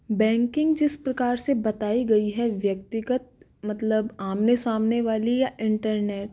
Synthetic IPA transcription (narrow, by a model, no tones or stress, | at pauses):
bɛ̃ːŋkɪ̃ŋɡd͡ʒɪspɾɐkaːɾsebɐt̪aːiɡɐiɦɛʋjɐk̚t̪ɪɡət̪̚ | mɐt̪ləbaːmnesaːmneʋaːlijaʔɪ̃ɳʈəɾneːʈ̚